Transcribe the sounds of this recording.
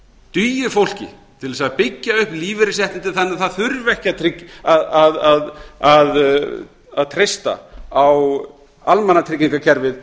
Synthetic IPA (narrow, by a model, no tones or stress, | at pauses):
t̪yːjʏfowl̥cɪ̰ | t̪ʰɪls̬aːðapɪcːaʏhpliːvɪɾɪsjɛht̪nɪt̪ɪlθɛnːaθaðθʏɾvɛhcɪaðt̪ʰɾɪcaðaðaðað | aðt̪ʰɾejst̪a̰aw | almanat̪ʰɾɪcːiŋkacʰɛɾvɪð